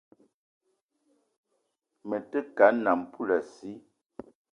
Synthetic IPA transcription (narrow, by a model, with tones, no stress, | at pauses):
mə˨tə˦ka˨˦na˨m˨pu˦la˨si˨˦